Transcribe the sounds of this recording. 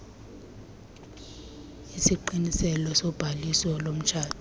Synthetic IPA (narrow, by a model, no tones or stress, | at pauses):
isiǃinisɛlɔsɔb̥ʱalisɔlom̩t͡ʃʰaːd̥ʰʱi̥